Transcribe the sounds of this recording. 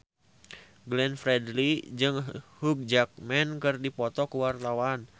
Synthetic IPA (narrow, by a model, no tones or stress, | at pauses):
ɡlɛnfɾɛdlid͡ʒɨŋhuk̚d͡ʒak̚mɛnkɨrdipɔt̪ɔkuwart̪awan